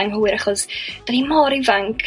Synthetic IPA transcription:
aŋhuɪɾaχɔsd̥animɔːɾivaŋkʰ

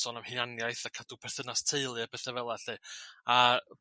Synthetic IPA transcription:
sɔnamhɪnanjajθakʰad̥upʰɛrθənastʰeɨlˠɨpʰɛθɛvɛlˠaɬɨːa

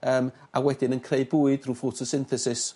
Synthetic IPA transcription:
əːm | awɛdɪnənkʰreɨd̚buɨd̥ruːfɔtʰɔsɪnθɛsɪs

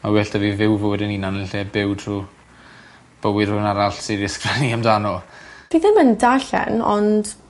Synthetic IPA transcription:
mawɛɬtʰəvivɪwvowɛdəniːnanɪnɬɛbɪwtʰru | b̥əwɪd̥hʊnaɾaɬsiɾɪskraniamdanɔd̥iðɛməndaɬɛ̰nɔ̰nd̥

